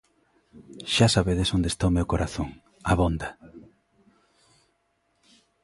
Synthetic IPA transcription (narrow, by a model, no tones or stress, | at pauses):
ʃasaβeðesond̪est̪aomewkoɾʔaθoŋ | aβond̪ɐ